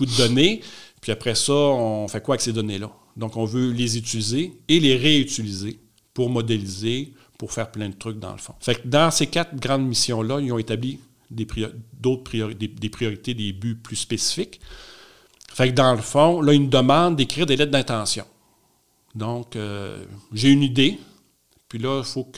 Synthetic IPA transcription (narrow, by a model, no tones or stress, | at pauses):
kud̪əd̪ɔnepɥiapʁɛsɔɔ̃fɛkwaɛksed̪ɔnelʌ | d̪ɔ̃kɔ̃vølezyt͡sylizeːleʁeyt͡silize | puʁmɔd̪elize | puʁfɛːʁplɛ̃d̪ət̪ʁʏk̚d̪ɑ̰̃ləfɔ̰̃fɛk̚d̪ɑ̃sekat̪̚ɡʁɑ̃d̪misjɔ̃lʌijɔ̃et̪abli | d̪epid̪oʊt̪̚pʁijɔʁid̪ed̪epʁijɔʁit̪ed̪ebyplyspesi̥fɪk | fɛkd̪ɑ̃ləfɔ̃lʌinud̪əmɑ̃d̪d̪ekʁiːʁd̪elɛt̪̚d̪ɛ̃t̪ɑ̃ːsjɔ̰̃ | d̪ɔ̃kø̰ʒeynid̪e | pɥilʌifok